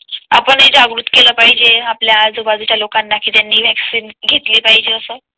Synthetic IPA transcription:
apəɳed͡ʑaɡɾut̪keləːpaɦid͡ʑeapljad͡zoʋad͡z̪ut͡ɕʰjalokanːakiːt̪janːiːʋʱɛksiːnɡʱet̪lepaɦid͡ʑeəsəː

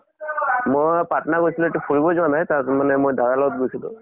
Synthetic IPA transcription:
mojpatɔnaɡojsilʊetupʰulbɔzuwanajtaɹsmanɛmojd̪ʱaɹalɔɡɔt̚ɡojsilʊ̰̃

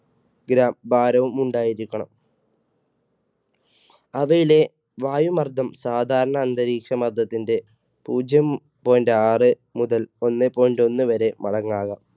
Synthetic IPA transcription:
ɡɾaːmbʱaːɾɐʋumuɳɖaːjiɾikʲːɐɳɐ̰m | ɐʋɐjile̞ | ʋaːjumɐrd̪ʱɐmsaːd̪ʱaːɾɐɳɐːnd̪ɐɾiːkʂɐmɐrd̪ʱɐt̪ːinde̞ | puːd͡ʑjɐm | po̞ːjndeaːrɨ | muðɐlo̞nːepːo̞ːjndo̞nːɨʋɐɾe̞mɐɽɐŋːaːɣɐ

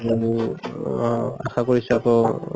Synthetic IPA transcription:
a̰xakoɹisɔakɔ

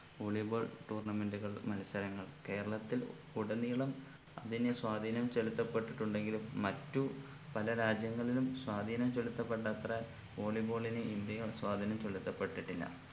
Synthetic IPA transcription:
oːɭiboɭʈuːrɳɐme̞nduɣɐɭmɐlɐsɐɾɐŋːɐɭke̞ːɾɐɭɐt̪ːil | kuɽɐniɣɐɭum | ɐðinɨswaːd̪ʱiːnɐmt͡ɕelut̪ːɐpːe̞ʈːiʈːuɳɖe̞ŋɡilmɐtːu | pɐlɐɾaːd͡ʑjɐŋːɐɭilumswaːd̪ʱiːnɐmt͡ɕo̞lut̪ːɐpːeʈ̬ːaːt̪rɐ | o̞ːɭibo̞ːɭinɨind̪jɐjɐswaːd̪ʱinɐmt͡ɕo̞lut̪ːɐpːe̞ʈːiʈːilːɐ̰

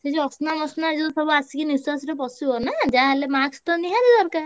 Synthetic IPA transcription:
sed͡ʒiɔsnamɔsnad͡ʒɔnp̪ʰɔbɔasikiniswasɾepɔsibɔnad͡ʒaɦelemakst̪ɔniɦad̪id̪ɔɾkaɾ

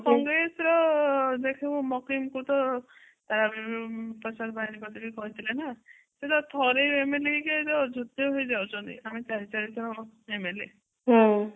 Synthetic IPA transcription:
kɔŋɡɾesɾɔd̪ekʰeumɔkimkut̪ɔ | t̪aɾabipɔsad̪bainikɔt̪ʰakikɔɦit̪ʰilena | set̪ɔt̪ʰɔɾeemeleiket̪ɔd͡ʒʱot̪ːjɔɦojd͡ʒawt͡ʃʰɔnt̪ḭamit͡ʃaɾit͡ʃaɾit̪ʰɔɾɔemele | ɦɔ̃

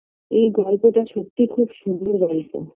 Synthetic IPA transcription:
ejɡɔlpoʈaʃok̚t̪ːikʰubʃunʱːoɡɔlpo̰

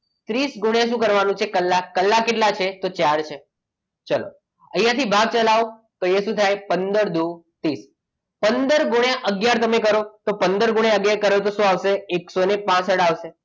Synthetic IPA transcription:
t̪ɾisɡuɳjãʃũkəɾʋanũt͡ʃʰekəlːaːəlːakeʈlat͡ʃʰet̪ot͡ʃaɽt͡ʃʰe | t͡ʃəlo̰ | əjjãt̪ʰibʱaɡ̚t͡ʃəlaʋ | t̪ojeʃũt̪ʰajpənd̪əɾd̪ut̪is | pənd̪əɾɡuɳjaʔəɡjaɾt̪əmekəɾot̪opənd̪əɾɡuɳ̃jaəɡjaɾkəɾet̪̬oʃũaʋʃeːksonepãsəɽaʋʃe

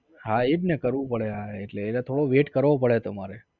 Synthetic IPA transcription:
ɦaebnekəɾʋũpəɭeɦaeʈleːlet̪ʰoɽoʋeʈkəɾʋopəɭet̪omaɾe

